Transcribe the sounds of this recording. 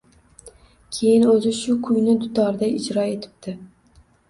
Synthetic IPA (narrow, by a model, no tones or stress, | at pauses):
kʲʰe̞jɪnɵzɪʃʊkʰʊjnɪd̪ʊt̪ʰɒɾɪd̪aɪd͡ʒɾɒe̞t̪ʰɪ̥p̚d̪̥ɪ